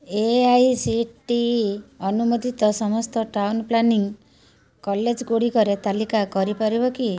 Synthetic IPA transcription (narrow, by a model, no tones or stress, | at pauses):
eajsiʈiɔnumod̪ʱit̪ɔsɔmɔst̪ɔʈawnplaniŋ | kɔled͡ʒɡoɽikɔɾet̪alikakɔɾipɔɾibɔki